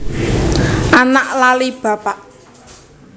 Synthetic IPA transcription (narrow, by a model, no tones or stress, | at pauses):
ʔanaʔlalib̥ä̤paʔ